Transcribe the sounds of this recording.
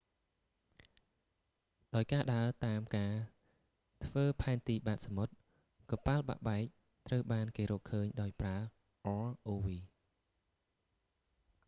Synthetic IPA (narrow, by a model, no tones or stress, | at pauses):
ɗaɔjkaːɗaət̪aːmkaː | t̪ʰʋəːpʰaɛnt̪iːɓaːt̪̚samot̪̚ | kɑpalɓa̰ʔɓaɛk̚ | t̪rəwɓaːnkeːɾɔːkʰəːɲɗaɔjpraə | ʔɔːʔoːʋiː